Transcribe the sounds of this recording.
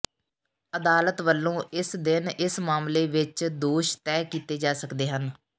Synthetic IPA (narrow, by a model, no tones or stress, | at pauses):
əd̪aːlət̪ʋəlːõːɪsd̪ɪnɪsmaːmleːʋɪt͡ʃd̪oːʃt̪ɛːkiːt̪eːd͡ʒaːsəkd̪eːɦən